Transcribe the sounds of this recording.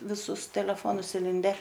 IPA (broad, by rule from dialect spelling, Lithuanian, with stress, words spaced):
ʋʲɪˈsʊs tʲɛlʲɛˈfoːnʊs ɪˈlʲɪnʲdʲɛ